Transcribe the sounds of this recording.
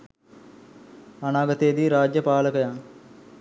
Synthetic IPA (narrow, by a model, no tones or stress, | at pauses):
anaːɡət̪ejd̪iːɾaːd͡ʒjəpaːləkəjaŋ